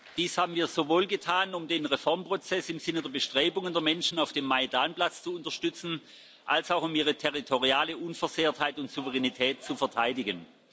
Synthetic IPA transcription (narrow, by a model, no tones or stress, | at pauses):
d̥iːshaːbn̩viːɐzovoːlɡətʰaːnʊmdeːnʁefɔɐmpʁ̥ot͡sɛsɪmzɪnədeːɐbəʃtʁ̥eːbʊŋəndeːɐmɛnʃn̩aʊfd̥eːmːaidaːnplat͡st͡suʊntɐʃtʏt͡sn̩ | ʔalsaʊxʊmiːʁ̞ətʰɛʁitʰoʁiaːləʔunfɛɐzeːɐthaɪtʊntz̥uvəʁɛnitʰɛːt̚t͡sufɛɐtʰaɪdɪɡən